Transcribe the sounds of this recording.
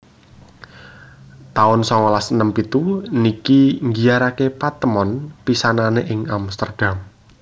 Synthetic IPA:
t̪aʊnsɔŋɔlasənəmpit̪unikiŋɡiaɾakepat̪əmɔnpisananeʔɪŋamst̪ərd̥am

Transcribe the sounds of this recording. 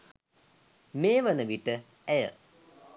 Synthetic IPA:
meːʋənəʋiʈːə | ɛjə̰

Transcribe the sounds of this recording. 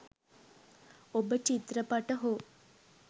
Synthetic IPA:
obət͡ʃit̪ɾəpaʈəɦo

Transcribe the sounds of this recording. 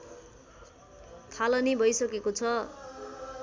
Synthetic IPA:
t̪ʰalʌnibʱʌjsʌkekot͡sʰʌ

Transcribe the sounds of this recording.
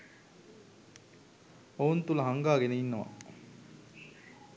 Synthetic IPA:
ount̪ulɐɦɐŋɡaːɡeneinːɐʋa̰

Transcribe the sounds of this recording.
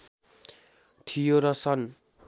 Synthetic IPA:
t̪ʰijoɾʌsʌn

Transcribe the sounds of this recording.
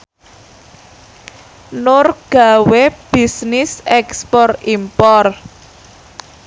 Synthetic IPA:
nʊrɡ̥a̤web̥i̤snɪsɛkspɔrimpɔr

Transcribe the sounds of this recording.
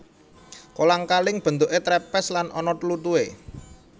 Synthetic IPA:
kolaŋkalɪŋb̥ə̤nt̪ʊʔet̪ɾɛpɛslanʔɔ̰nɔt̪lut̪ue

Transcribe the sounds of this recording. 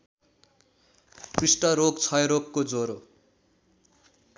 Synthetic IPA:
prisʈʌɾokt͡sʰʌjɾokːod͡zoɾo

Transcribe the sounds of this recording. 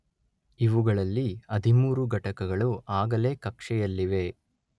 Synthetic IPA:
iʋuɡɐɭɐlːiɐd̪ʱimuːɾuɡɐʈɐkɐɡɐɭuʔaːɡɐle̞ːkɐkʂɛjɐlːiʋe̞

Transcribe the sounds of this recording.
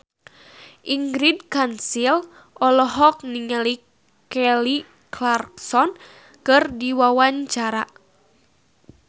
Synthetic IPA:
ʔiŋɡɾidkansil | ʔɔlɔɦɔk̚niŋali | kɛli | klarksɔn | kɨrdiwawaɲt͡ʃaɾa

